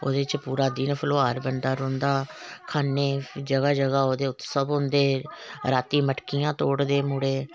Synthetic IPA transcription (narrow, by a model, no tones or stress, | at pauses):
o̰ːd̪eːt͡ʃəpuːɾaːd̪iːnəpʰəloːaːɾbəɳd̪aːɾõːnd̪aːkʰaːneːd͡ʒəɡaːd͡ʒəɡaːoːd̪eːʊt̪ːsəbʊnd̪eːɾaːt̪iːməʈkɪjãːt̪oːɽd̪eːmuɽeː